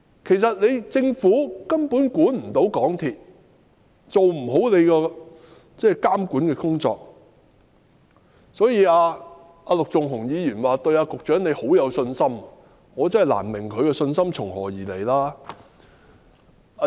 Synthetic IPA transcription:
kʰe˨˩js̬ɐ˨t̚le˨˧jt͡sɪ˧ŋfuː˨˥kɐ˥mpuː˨˥nkuː˨˥nm̩˨˩t̪o˨˧˥wkɔː˨˥ŋt̪ʰiː˨t̚ | t͡so˨wm̩˨˩ɦo˨˥wle˨˧jkɔː˧ | t͡sɛː˥˩kaː˥mkuː˨˥nkɛː˧kʊ˥ŋt͡sɔ̰ː˨k̚ | sɔː˨˥jiː˧aː˧ | ʔaː˧lʊ˨k̚t͡sʊ˨ŋɦʊ˨˩ŋjiː˨˧jyː˨˩nwaː˨t̪ɵ˧ɥaː˧kʊ˨k̚t͡ʃœː˨˥ŋne˨˧jho˨˥wjɐ˨˧wsɵ˧nsɐ˥m | ŋɔː˨˧t͡sɐ˥hjla̰ː˨˩nmɪ˨˩ŋkʰɵ˨˧ɥkɛː˧sɵ˧nsɐ˥mt͡ʃʰʊ˨˩ŋhɔ̰ː˨˩jiː˨˩le˨˩jlaː˥ | a˧

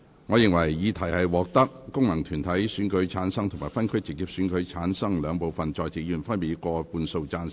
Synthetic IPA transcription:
ŋɔː˨˧jɪ˨˩ŋwɐ˨˩jːiː˨˧t̪ʰɐ˨˩jhɐ˨jwɔː˨k̚t̪ɐ˥k̚ːʊ˥ŋmɐ˨˩ŋt̪ʰyː˨˩nt̪ʰɐ˨˥jsyː˨˥nkɵ˨˥ɥt͡sʰaː˨˥nsɐ˥ŋt̪ʰʊ˨˩ŋmaː˨˩fɐ˥nkʰɵ˥ɥt͡sɪ˨k̚ːiː˧p̚syː˨˥nkɵ˨˧˥ɥt͡sʰaː˨˥nsɐ˥ŋlœː˨˧ŋpo˨wfɐ˨nt͡ʃɔː˨˧jt͡sɪ˨k̚jyː˨˩nfɐ˥npiː˨˥kɔː˧puː˧nso˧wt͡saː˧n

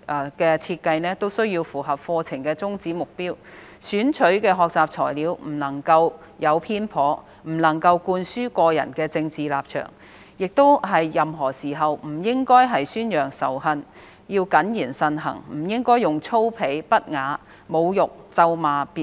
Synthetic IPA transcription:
kɛː˧t͡sʰiː˧t̚kɐ˧jnɛː˥t̪o˥wsɵ˥ɥji˧wfuː˨˩ɦɐ˨p̚fɔː˧t͡sʰɪ˨˩ŋkɛː˧t͡sʊ˥ŋt͡siː˨˥mʊ˨k̚piː˥w | syː˨˥nt͡ʃʰɵ˨˥ɥkɛː˧ɦɔː˨k̚t͡saː˨p̚t͡sʰɔː˨˩jliː˨˥wm̩˨˩nɐ˨˩ŋkɐ˧w | jɐ˨˧wpʰiː˥npʰɔː˨˥ | m̩˨˩nɐ˨˩ŋkɐ˧wkuː˧nsyː˥kɔː˧jɐ̰˨˩nkɛː˧t͡sɪ˧ŋt͡siː˨laː˨p̚t͡ʃʰœ̰ː˨˩ŋ | jɪ˨k̚t̪o˥wɦɐ˨jjɐ˨mɦɔː˨˩siː˨˩ɦɐ˨wm̩˨˩jɪ˥ŋkɔː˥jɦɐ˨jsyː˥njœː˨˩ŋsɐ˨˩wɦɐ˧n | jiː˧wkɐ˨˥njiː˨˩nsɐ˧nɦɐ̰˨˩ŋm̩˨˩jɪ˥ŋkɔː˥jʊ˨˩ŋt͡sʰo˥wpʰe˨˧˥jpɐ˥t̚ŋaː˨˥ | mo˨˧wjʊ˨k̚t͡sɐ˧wmaː˨˧piː˨˩

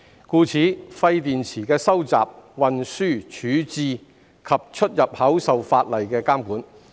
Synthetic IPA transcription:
kuː˧t͡sʰiː˨˥fɐ˧jt̪iː˨nt͡sʰiː˨˩kɛː˧sɐ˥wt͡sa̰ː˨p̚wɐ˨nsyː˥˩t͡ʃʰyː˨˥t͡siː˧ | kʰɐ˨p̚t͡ʃʰɵ˥t̚jɐ˨p̚hɐ˨˥wsɐ˨wfaː˧t̚lɐ˨˩jkɛː˧kaː˥mkuː˨˥n

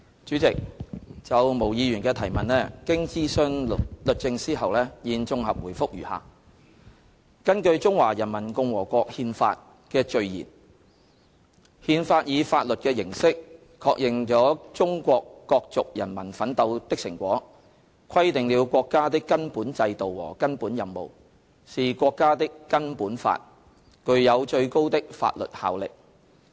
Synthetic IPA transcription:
t͡ʃyː˨˥t͡sɪ˨k̚t͡sɐ˨wmo˨˩wjiː˨˧ɥyː˨˩nkɛː˧t̪ʰɐ˨˩jmɐ˨nlɛː˥kɪ˥ŋt͡siː˥sɵ˧n˨lɵ˨t̚t͡sɪ˧ŋsiː˥ɦɐ˨wlɛː˥jiː˨˧nt͡sʊ˧ŋhɐ˨p̚wuː˨˩jfʊ˥k̚jyː˨˩ha̰ː˨˩ | kɐ˥nkɵ˧ɥt͡sʊ˥ŋwaː˨˩jɐ˨˩nmɐ˨˩nkʊ˧ŋwɔː˨˩kʷɔː˧k̚hiː˧nfa̰ː˧t̚ | kɛː˧t͡ʃɵ˧ɥjḭː˨˩n | hiː˧nfaː˧t̚jiː˨˧faː˧t̚lɵ˨t̚kɛː˧jɪ˨˩ŋsɪ˥k̚ | kʰɔː˧k̚jɪ˨ŋt͡ʃɔː˨˥t͡sʊ˥ŋkʷɔː˧kːɔː˧k̚t͡sʊ˨k̚jɐ˨˩nmɐ˨˩nfɐ˨˥nt̪ɐ˧wt̪ɪ˥k̚sɪ˨˩ŋkʷwɔː˨˥ | kʰɐ˥jt̪ɪ˨˩ŋliː˨˧wkʷɔː˧kːaː˥t̪̬ɪ˥kːɐ˥npuː˨˥nt͡sɐ˧jt̪o˨wwɔ̰ː˨˩kɐ˥npuː˨˥njɐ˨˩nmo˨˩w | siː˨kʷɔː˧kːaː˥t̪ɪ˥kːɐ˥npuː˨˥nfa̰ː˧t̚ | kɵ˧ɥjɐ˨˧wt͡ʃɵ˧ɥko˥wt̪ɪ˥k̚fa̰ː˧t̚lɵ̰˨t̚ha̰ː˨wlɪ̰˨k̚

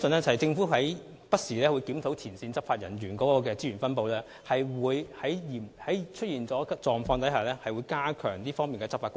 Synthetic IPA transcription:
sɵ˨nɛː˥t͡sɐ˨ɐ˨jt͡sɪ˧ŋfuː˨˥ɦɐ˨˥j | pɐ˥t̚siː˨˩lɛː˥wu˨˧jkiː˨˥mt̪ʰo˨˥wt̪ʰiː˨˩nsiː˧nt͡sɐ˥p̚faː˧t̚jɐ̰˨˩njyː˨˩nkɔː˨˥kɔː˧kɛː˧t͡siː˥ɥy˨˩nfɐ˥npo˨˧wlɛː˥ | hɐ˨jwuː˨˧jhɐ˨˥jjiː˨˩mhɐ˨˥jt͡ʃʰɵ˥t̚jiː˨nt͡sɔː˨˥t͡sɔː˨ŋfɔː˧ŋt̪ɐ˨˥jhaː˨˩lɛː˥hɐ˨jwuː˨˧jkaː˥kʰœː˨˩ŋt̪iː˥fɔː˥ŋmiː˨nkɛ˧t͡sɐ˥pfaː˧k

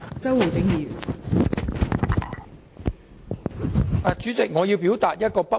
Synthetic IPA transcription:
t͡sɐ˥wu˨˩t̪ɪ˨˥ŋjiː˨˩˨ | ʔɐ˨t͡ʃyː˨˥t͡sɪ˨k̚ŋɔː˨˧jiː˧wpiː˨˥wt̪aː˨t̚jɐ˥t̚kɔː˧pɐ˥

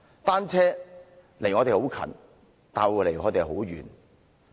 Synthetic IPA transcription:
t̪aː˥nt͡sʰɛː˥ | le˨˩ŋɔː˨˧t̪e˨˧ho˨˥wkʰɐ̰˨˩n | t̪aː˨nwu˨˧le˨˩ŋɔː˨˧t̪e˨˧jɦo˨˥wɥyː˨˩n

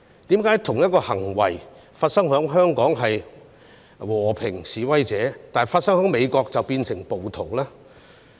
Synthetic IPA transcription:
t̪iː˨˥mkaː˨˥jt̪ʰʊ˨˩ŋjɐ˥t̚kɔː˧hɐ˨˩ŋwɐ̰˨˩j | faː˧t̚sɐ˥ŋɦœː˨˥ŋɦœː˥ŋkɔː˨˥ŋɦɐ˨j | wɔː˨˩pʰɪ˨˩ŋsiː˨˧wɐ˥jt͡sɛː˨˧˥t̪aː˨nɐ˨˩faː˧t̚sɐ˥ŋhœː˨˥ŋme˨˧jkɔː˧k̚t͡sɐ˨wpiː˧nsɪ˨˩ŋpo˨wt̪ʰo˨˩wlaː˥

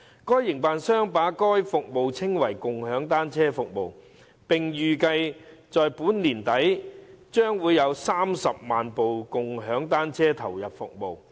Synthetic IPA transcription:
kɔː˥jːɪ˨˩ŋpaː˨˧nsœː˥ŋpaː˨˥kɔː˥jfʊ˨k̚mo˨˧wt͡sʰɪ˥ŋwɐ˨˩jkʊ˨ŋhœː˨˥ŋt̪aː˥nt͡sʰɛː˥fʊ˨k̚mo˨˧w | pɪ˨ŋjyː˨kɐ˧jt͡sɔː˨jpuː˨˥nliː˨˩nt̪ɐ˨˥jt͡ʃœː˥ŋwuː˨˧jɐ˨˧wsaː˥msɐ˨p̚maː˨npo˨wkʊ˨ŋɦœː˨˥ŋt̪aː˥nt͡sʰɛː˥t̪ʰɐ˨˩wjɐ˨p̚fʊ˨k̚mo˨˧w

